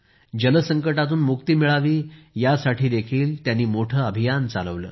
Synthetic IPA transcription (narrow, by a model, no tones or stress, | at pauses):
d͡ʑələsəŋkəʈat̪uːnmukt̪iːmiɭaʋiːjasaʈʰiːd̪ekʰiːlt̪janːiːmoʈʰəːəbʱijant͡sa̰ləʋlə̰ː